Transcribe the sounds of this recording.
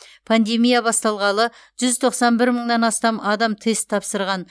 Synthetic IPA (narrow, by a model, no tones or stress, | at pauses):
pʰand̪e̞mijabɑst̪ɑlˠʁɑlˠə | ʒʏzt̪ʰo̞qsɑnbɪɾməɴnɑnɑst̪ɑmɑd̪ɑmt̪ʰe̞st̪ʰːɑpsəɾʁɑn